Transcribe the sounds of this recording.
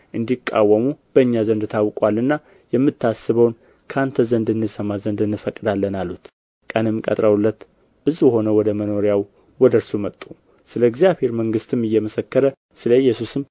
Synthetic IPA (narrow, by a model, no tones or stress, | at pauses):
ʔɨnd̪ikʼːa̰wːəmub̥əɨɲːazənd̪t̪ʰawkʼwalːɨnːa | jɛmːɨt̪ʰːasːɨβəwn | kʰəant̪ʰəzənd̪ɨnːɨsəmazənd̪ɨnːɨfəkʼːɨd̪alːənalːut̪ | kʼənɨmkʼə̰t̪ʼɾəwlːət̪ | b̥ɨzuho̞nəwɔd̪əməno̞ɾjaw | wɔd̪əɾsumət̪ʼːu | sɨləɡzijaβhe̞ɾməŋɡɨst̪ʰɨmɨjːɛməsəkːəɾə | sɨləjːɛsusɨm